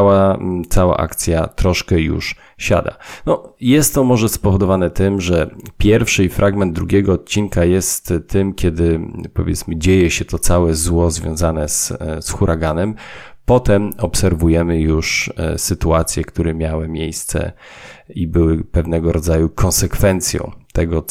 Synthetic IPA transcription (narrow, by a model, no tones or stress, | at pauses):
wat̪sawa̰ʔa̰kt̪sʲjat̪ɾɔʂkɛjṵʂ | ɕa̰d̪a̰nɔjɛst̪ːɔmɔʐɛspɔvɔd̪ɔvanɛt̪ɘmʐɛpʲjɛɾfʂɘifɾʔaɡmɛnd̪d̪ɾuɡʲɛɡɔːt̪̚t͡ɕinkajɛst̪t̪ːɘmkʲɛd̪ɘpɔ̰vʲjɛt̪smɘd͡ʑejɛɕɛt̪ɔt̪sawɛzwɔzvʲjɔ̰̃w̃zanɛssxuɾʔaɡanɛmpɔt̪ɛmɔpsɛɾvujɛmɘjuʂsɘt̪uat̪sʲjɛkt̪uɾɛmʲjawɘmʲjejst̪sɛ̰ | ibɘwɘpɛvnɛɡɔɾɔd̪zajukʰɔ̃nsɛkfɛnt̪sʲjɔ̰̃w̃t̪ɛɡɔ